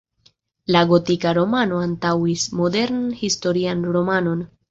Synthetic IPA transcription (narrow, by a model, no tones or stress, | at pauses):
laɡo̞tikaɾo̞mano̞antawismo̞de̞ɾnnhisto̞ɾianɾo̞mano̞n